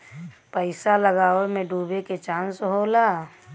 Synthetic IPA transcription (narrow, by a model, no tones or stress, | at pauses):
pəɪsaləɡaːemẽɖʱuːbeket͡ʃãːnsɦoːlaː